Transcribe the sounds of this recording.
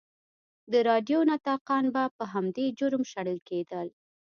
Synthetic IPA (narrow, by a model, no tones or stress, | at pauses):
d̪əɾɑɖjonat̪ɑqɑnbapəɦamd̪ed͡ʒʊɾmʃaɽəlked̪əl